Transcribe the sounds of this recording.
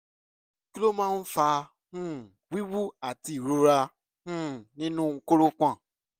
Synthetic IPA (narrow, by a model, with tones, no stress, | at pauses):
ki˦lo˦mã˦n̩˦fa˧ | hũ˦ | wi˦wu˦a˨ti˨ɾo˧ɾa˧ | hũ˦˨nĩ˦nũ˦˧ŋ̩˦ko˦ɾo˦kʷã˦˨